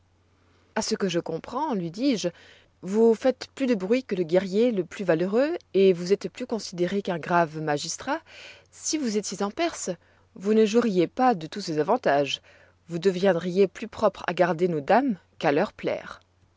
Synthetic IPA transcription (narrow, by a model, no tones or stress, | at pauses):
asəkəʒəkɔ̃pχɑ̃lɥid̪iʒ | vufɛt̪plyd̪əbʁɥikələɡʲɛʁjeləplyvaløʁøevuzɛt̪plykɔ̃sid̪eʁekɛ̃ɡʁavmaʒist̪χa | sivuzet̪jezɑ̃pɛʁs | vunəʒuʁijepad̪ət̪usezavɑ̃t̪aʒ | vud̪əvjɛ̃d̪ʁijeplypχɔpχa̰ɡaʁd̪enod̪am | kalœʁplɛ̰ːʁ